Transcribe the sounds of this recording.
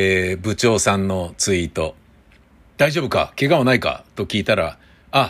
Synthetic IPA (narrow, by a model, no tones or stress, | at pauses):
bɯ̟t͡ɕo̞ːsãnːo̞t͡sɨit̪o̞ | d̪̥aiʑo̞bɯ̟ka̰ke̞ɡamonaika̰t̪o̞kʲiːt̪aɾa̰ | a